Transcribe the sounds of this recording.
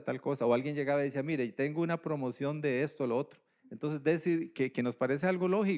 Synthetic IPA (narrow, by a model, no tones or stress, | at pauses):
t̪alko̞saoalɡje̞nd͡ʒe̞ɣaβaðisiamiɾet̪e̞ŋɡounapɾo̞mosjo̞nd̪e̞est̪ooloot̪ɾo | ent̪o̞ns̬e̞zd̪esiðkeke̞no̞spaɾe̞s̬ealɡo̞lo̞xi